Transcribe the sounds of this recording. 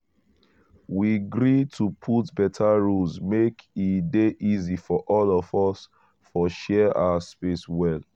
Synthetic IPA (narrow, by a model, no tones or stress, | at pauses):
wiɡɹitʰupʰutbɛtʰaɹusmekideʔizifɔʔɔlɔvɔs | fɔʃɛa̰ʊaspeswɛl